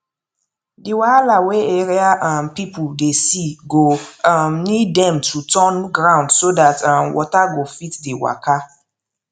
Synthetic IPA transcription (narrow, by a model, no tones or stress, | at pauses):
diwalaweeɹiaʔãnpipʰuldesiɡoamnidːɛ̃mtʰutʰɔnɡɹãʊ̃ndsodatãmwʔɔ̰taɡofitdewa̰ka